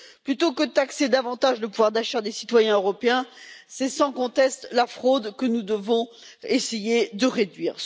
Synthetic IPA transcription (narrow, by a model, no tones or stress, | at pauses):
plyt̪okəd̪ət̪aksed̪avɑ̃t̪aʒləpuvwaʁd̪aʃaʁd̪esi̥t̪wajɛ̃øʁɔpeɛ̃sɛsɑ̃kɔ̃t̪ɛst̪lafχod̪kənud̪əvɔ̃ | esejed̪əʁed̪ɥiːʁ